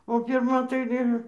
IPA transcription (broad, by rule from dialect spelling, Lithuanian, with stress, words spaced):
oː pʲɪrˈmɐ tɐɪ ˈʋʲiɛn